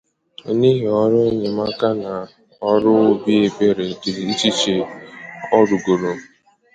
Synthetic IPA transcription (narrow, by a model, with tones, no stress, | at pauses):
ni˦ɦi˨ɔ˦ɾʊ˦e˦ɲe˨ma˦ka˦na˨ | ɔ˦ɾʊ˦o˦bi˦e˦be˦ɾe˨ti˨ɾi˦t͡ʃi˦t͡ʃe˦ | ɔ˦ɾu˨ɡo˨ɾo˨